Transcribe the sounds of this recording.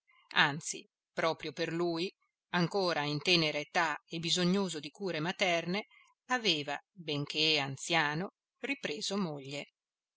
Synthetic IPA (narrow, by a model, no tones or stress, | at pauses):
ant̪sḭ | pɾɔːpɾjoperluːj | aŋkoːɾaint̪ɛːneɾeet̪aebizoɲːoːzod̪ikuːɾemat̪ɛrne | aveːvabeŋk̟eant̪sjaːno | ripɾeːzomoʎːe